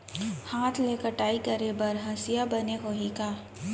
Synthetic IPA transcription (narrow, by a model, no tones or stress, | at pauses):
haːt̪ʰleːkəɾʈaːikɐɾebɐɾɦɐsijabɐneɦoːɦikaː